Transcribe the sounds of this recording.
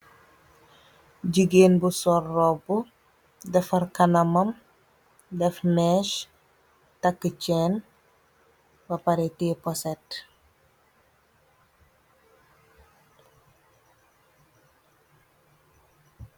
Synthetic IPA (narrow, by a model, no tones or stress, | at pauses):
ɟiɡeːnbusɔrːɔbu | dɛfɐrkɐnɐmɐm | dɛfnɛʃ | tɐkːət͡ʃɛn | bɐpɐɾitipɔsɛt